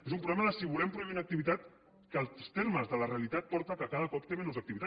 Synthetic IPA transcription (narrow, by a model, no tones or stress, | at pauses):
ezumpɾuβlɛməðəsiβulɛmpɾuinəkt̪iβit̪at̪ | kəlˠst̪eɾməzðələreəlit̪at̪̚pɔɾt̪əkəkaðəkɔpt̪emenozəkt̪iβit̪a